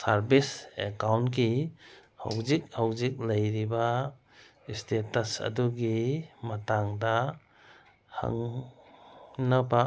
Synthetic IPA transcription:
saɾbisḛkawnkiha̰wzik̚hawzik̚ləjɾiba | istetasa̰duɡimataŋda | ha̰ŋ | naba

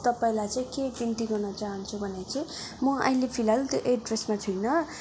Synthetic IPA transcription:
t̪ʌpaĩlajt͡sãĩkebint̪iɡʌrnʌt͡saɦʌnt͡sʰubʱʌnet͡saĩmʌʌ̰ɦĩlepʰilalt̪joʔeɖresmat̪ʰujnʌ

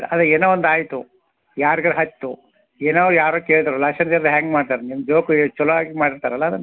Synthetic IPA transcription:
ɐd̪ɐeːnoʋond̪aːjt̪u | jaːɾiɡɐɾɦɐt̪ːu | eːnaːʋjaːɾoːkeːɭd̪ɐɾulɐʂɐnd͡ʒɐɾd̪ɦɛːŋɡmaːɖt̪aːɾenimd͡ʒoːkt͡ʃɔlaːɡimaːɽiɾt̪aːɾɐlːɐd̪ɐnː

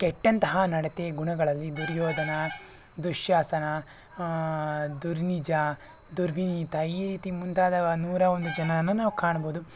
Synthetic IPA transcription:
kɛʈːɐnt̪ɐɦɐnɐɽet̪eːɡuɳɐɡɐɭɐlːid̪uɾjɔːd̪ʱɐnɐ | d̪uʃjaːsɐnɐ | d̪uɾnid͡ʒɐ | d̪uɾʋiniːt̪ɐiːɾiːt̪imunt̪aːd̪ɐnuːɾɐond̪ud͡ʒɐnɐnːunaːʋukaːɳɐboːd̪u

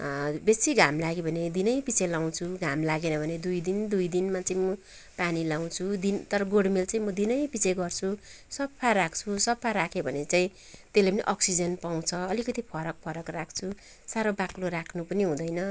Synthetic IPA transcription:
besiɡʱamlaɡebʱʌned̪inʌjpit͡sʰelaw̃t͡sʰuɡʱamlaɡenʌbʱʌned̪ujd̪ind̪ujd̪inmat͡saĩmʌ | panilaw̃t͡sʰud̪int̪ʌɾʌɡoɽmelt͡saĩmʌd̪inʌjpit͡sʰeɡʌrt͡sʰu | sʌbpʰarakʰt͡sʰusʌbpʰaɾakʰebʱʌnet͡saĩ | t̪elajpʌniʔʌksid͡zʌnpaw̃t͡sʰʌʌlikʌt̪ipʰʌɾʌk̚pʰʌɾʌkrakʰt͡sʰu | saɾobaklorakʰnupʌniɦũd̪ʌjnʌ

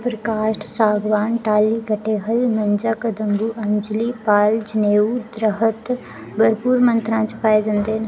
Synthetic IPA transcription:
pɾəkaːʃʈsaːɡʋaːnʈaːliːkəʈeːɦəlmənd͡ʒakəd̪əmbuːʔɐnd͡ʒliːpaːld͡ʒneːud̪ɾəɦət̪ | bəɾpuːɾmə̃nt̪ɾãːt͡ʃpaːed͡ʒɐ̃nd̪eːn

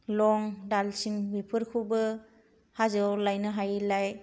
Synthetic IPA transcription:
lɔŋdalsiŋbipʰɯɾkʰubɯ | hazɯwlajnɯɦajlaj

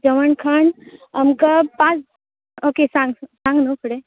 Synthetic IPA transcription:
d͡ʒəʋəɳkʰəɳamkapãt͡s | okesãŋɡsãŋɡnopʰuɽe

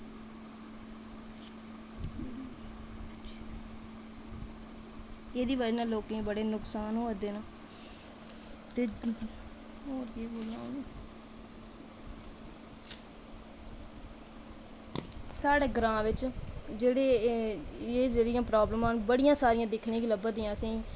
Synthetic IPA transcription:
eːd̪iːʋəd͡ʒnãːloːkẽːbəɽeːnʊksaːnɦoːd̪eːnãː | t̪eː | ɦoːɾeːboːlaːone | saːɽeːɡɾãːʋɪt͡ʃd͡ʒeːɽeː | eːd͡ʒeːɽijãːpɾaːbləmãːnbəɽijãːsaːɾijãːd̪ɪkʰnẽːkiləbãd̪ijãːəsĩː

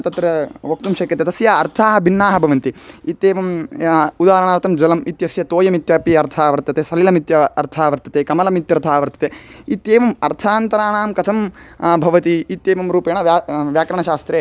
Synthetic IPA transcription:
t̪ɐt̪ɾɐʋɐk̚t̪umʃɐːkɐt̪et̪ɐsjaɐɾt̪ʰaːɦɐbʱinːaːɦɐbʱɐʋɐnt̪iit̪eːʋɐmud̪aːɾɐɳaːɾt̪ʰɐmd͡ʒɐlɐmit̪jɐsjɐt̪oːjɐmit̪jɐːpiɐɾt̪ʰaːʋɐɾt̪ːɐt̪eːsɐlilɐmit̪jɐɐɾt̪ʰaːʋɐɾt̪ːɐt̪eːkɐmɐlɐmit̪jɐɾt̪ʰaːʋɐɾt̪ʰɐ̥t̪eːit̪eːʋɐmɐɾt̪ʰaːnt̪ɐɾaːɳaːmkɐt̪ʰɐmbʱɐʋɐt̪iit̪ːeːʋɐmɾuːpeːɳɐʋjaʋjaːkɾɐɳɐʃaːst̪ɾeː

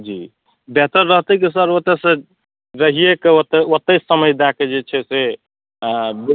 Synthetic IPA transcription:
d͡ʒi | bet̪əɾːəɦt̪əkis̬əɾot̪esẽ | ɾəɦijekeot̪ːeot̪ːesəməjd̪aked͡ʒet͡ʃʰɛse | b

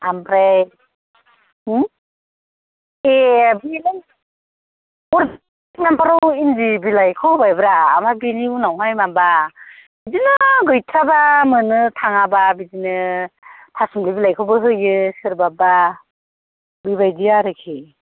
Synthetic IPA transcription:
ampʰɾaj | ebinɯ | uɾ | k̚nampʰaɾɔwindibilajkʰowbajbɯɾa̰ːmabiniunawɦajmambab̥idinɯɡɯjtʰɾabamɯnɯtʰaŋababizinɯ | tʰasumlibilajkʰɯwbɯɦɯjɯsɯɾbaba | bibajdijaɾɯkʰi

